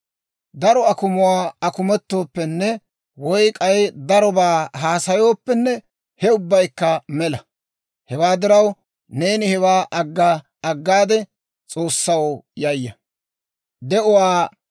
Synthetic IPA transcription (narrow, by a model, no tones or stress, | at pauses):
d̪ɐɾɔɐkʊmʊwaːɐkʊmɛt̪ːo̞ːpːɛnːɛ | wɔjkʼɐjd̪ɐɾɔbaːɦaːsɐjo̞ːpːɛnːɛ | hɛʊbːɐjkːɐmɛlɐ | hɛwaːd̪ɪɾɐw | ne̞ːnɪhɛwaːʔɐɡːaː | ɐɡːaːd̪ɛ | t͡sʼo̞ːsːɐwjɐjːɐ | d̪ɛʔɔwaː